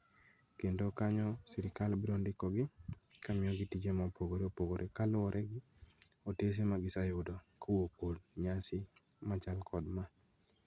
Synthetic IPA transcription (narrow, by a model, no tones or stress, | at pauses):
kendokaɲɔsiɾɪkalbɪɾondɪkɔɡɪkamɪɔɡɪtid͡ʒemapoɡoɾeopoɡoɾʔekalʊɔɾʔɛɡɪ | otes̬emaɡɪsajodokowokodɲasɪmat͡ʃalkʰɔdma